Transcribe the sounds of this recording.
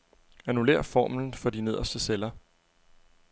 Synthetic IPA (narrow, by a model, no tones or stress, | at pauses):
ænule̝̰ːɐ̰fɒ̰ːmln̩fɒ̽d̥ine̝ð̞ˠɐsd̥əselɐ